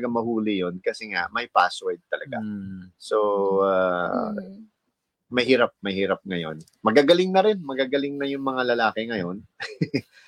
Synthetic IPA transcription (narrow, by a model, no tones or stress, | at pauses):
ɡamɐhuːlɪjo̞nkɐsɛŋa̰ʔmɐjpaːswɛd̪̚t̪ɐlɐɡa̰so̞a | mɐjhiːɾap̚mɐjhiːɾap̚ŋɐjo̞̰n | mɐɡaːɡɐlɪŋnɐɾɪnmɐɡaɡɐlɪŋnɐjʊŋmɐŋalɐlaːkɪŋɐjo̞n